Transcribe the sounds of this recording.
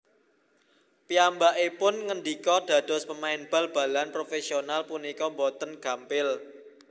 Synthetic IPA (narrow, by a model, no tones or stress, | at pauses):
piambaʔepʊnŋənɖikɔɖ̪̥a̤d̪̥ɔ̤spəmaɪnb̥ä̤lb̥ä̤lanpɾofesionalpunikɔmbɔt̪ənɡ̥ä̤mpɪl